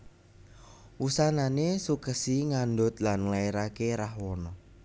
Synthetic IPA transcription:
wusananesukəsiŋandʊt̪̚lanŋlaeɾakeɾahwɔnɔ

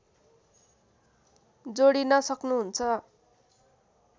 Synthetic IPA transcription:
d͡zoɽinʌsʌknuɦunt͡sʰʌ

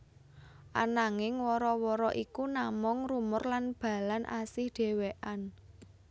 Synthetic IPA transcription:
ʔa̰naŋɪŋwɔɾɔwɔɾɔʔikunamʊŋrumʊrlanb̥a̤lanʔa̰sɪhɖ̥e̤weʔan

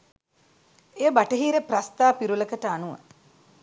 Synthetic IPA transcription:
ejəbaʈəɦiːɾeprast̪aːpiɾuləkəʈəanuʋə̰

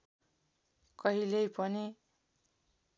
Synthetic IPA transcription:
kʌɦilejpʌni

